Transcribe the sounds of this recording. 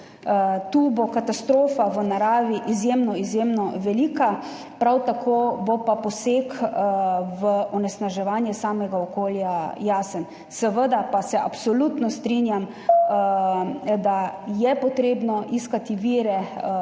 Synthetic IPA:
t̪uːbokat̪ast̪ɾoːfaʋənaɾaːʋiʔizjemnɔizjemnɔʋɛliːka | pɾawt̪akʰoːbopapɔseːk | ʋəɔnɛsnaʒɛʋaːnjɛsaːmɛɡaɔkoːljajaːsən | səʋəd̪apasɛʔapsɔlut̪nɔst̪ɾinjam | d̪ajɛpɔt̪ɾeːbnɔʔiskat̪iʋiːɾɛ

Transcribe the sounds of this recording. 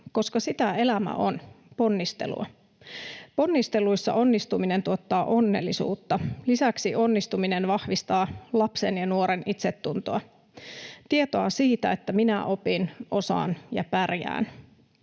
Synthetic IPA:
ko̞skɑsit̪æe̞læmæ̰ʔon | po̞nːist̪e̞̰lṵɑ̰ | po̞nːist̪e̞lujsːɑ̰ʔo̞nːist̪umine̞nt̪uot̪ːɑːʔo̞nːḛlːisṵːt̪ːɑlisæksiʔo̞nːist̪umine̞nʋɑhʋist̪ɑːlɑpsenjɑnuoɾenit̪set̪ːunt̪oɑ | t̪ie̞t̪oɑsiːt̪æe̞t̪ːæminæʔo̞pinʔo̞sɑ̰ːnjɑ̰pærjæ̰ːn

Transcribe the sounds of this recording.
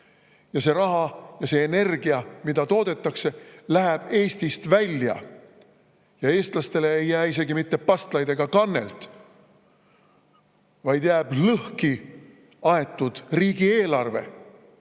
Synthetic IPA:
jɑse̞ɾɑɦɑjɑse̞ːne̞rɡ̥iɑmid̪̥ɑt̪o̞ːd̪̥e̞t̪ˑːɑkse̞læɦæb̥e̞ːst̪ist̪vælʲjɑ̰ | jɑe̞ːst̪lɑst̪e̞le̞ːjːæːise̞ɡimit̪ːe̞pɑst̪lɑjd̪e̞ɡ̥ɑkɑnːe̞̰lt̪ˑ | vɑjd̪̥jæːb̥lɤhki | ɑe̞t̪ːˑud̪̥riːɡ̥ie̞ːlɑrve̞̰

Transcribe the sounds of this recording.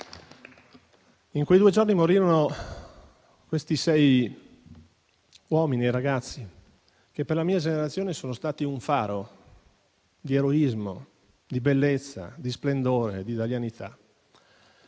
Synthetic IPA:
iŋkwejd̪uːed͡ʒornimoɾiːɾono | kwest̪isɛj | wɔminieraɡat̪sːi | kepːerlamiːad͡ʒeneɾat̪sːjoːnesoːnost̪aːt̪iuɱfaːɾo | d̪ieɾoizmo | d̪ibelːet̪sːa̰d̪isplend̪oːɾḛd̪it̪aljanit̪ʰa̰

